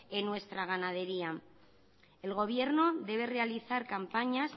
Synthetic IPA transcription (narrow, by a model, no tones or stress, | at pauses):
enwe̞st̪ɾaɣ̞anað̞e̞ɾia | e̞lɣ̞o̞β̞je̞ɾno̞ðe̞β̞e̞re̞aliθaɾkampaɲas